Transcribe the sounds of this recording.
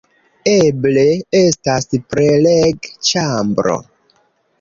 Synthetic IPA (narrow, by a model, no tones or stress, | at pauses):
eble̞e̞staspɾeleɡt͡ʃambɾo̞̰